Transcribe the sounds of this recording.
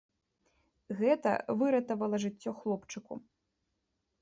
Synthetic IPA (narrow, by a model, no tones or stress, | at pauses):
ɣɛt̪ɐ̰vɨɾɐt̪ɐvɐlˠɐʐɨt͡sʲːɔxlˠɔpt͡ʂɨkṵ